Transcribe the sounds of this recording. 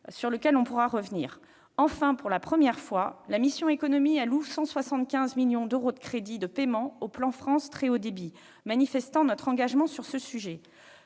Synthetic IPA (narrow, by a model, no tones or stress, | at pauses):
syʁləkʲɛlɔ̃puʁaʁəvnḭːʁ | ɑ̃fɛ̃puʁlapχəmjɛʁfwalamisjɔ̃ekɔnɔmialusɑ̃swasɑ̃t̪kʲɛ̃zmiljɔ̃d̪øʁod̪əkχed̪id̪əpemɑ̃oplɑ̃fχɑ̃st̪χeod̪ebi | manifɛst̪ɑ̃nɔt̪χɑ̃ɡaʒmɑ̃syʁsəsyʒɛ